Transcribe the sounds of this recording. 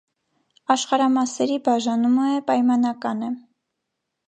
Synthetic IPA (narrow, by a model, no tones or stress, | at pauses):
ɑʃχɑɾɑmɑsɛɾibɑʒɑnuməpɑjmɑnɑkɑnə